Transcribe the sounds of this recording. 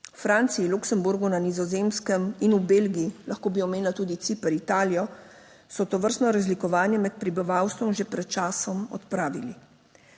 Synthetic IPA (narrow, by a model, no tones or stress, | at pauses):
ufɾaːnt̪siiluksɛmbuɾɡunanizɔzeːmskəminubeːlɡiilaxkoːbiɔmeːnilat̪uːd̪it̪sipɛɾit̪aːlijɔ | sɔt̪ɔʋəɾst̪nɔɾazlikɔʋaːnjɛmɛt̪pɾibiʋaːwst̪ʋɔmʒepɾɛt̪̚t͡ʃaːsɔmɔ̰t̪pɾaːʋili